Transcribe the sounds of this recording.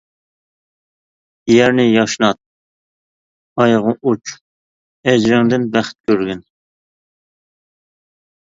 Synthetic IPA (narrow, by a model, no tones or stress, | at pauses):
jæɾnɪjɑʃnɑt̪̚ | ɑjʁʊʔut͡ʃʰ | ɛd͡ʒɾɪŋd̪ɪnbæχt̪̚kʲʰøɾɡʲyn